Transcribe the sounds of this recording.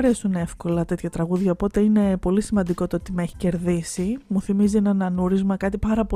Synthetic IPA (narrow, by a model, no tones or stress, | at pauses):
ɾe̞sunefko̞lɐt̪e̞t̪çɐt̪ɾɐɣuðʝɐopo̞t̪e̞ine̞po̞lisimɐnd̪iko̞t̪oot̪imeçi̥ce̞ɾðisimuθimizienɐnɐnuɾizmɐkɐt̪ipɐɾɐpo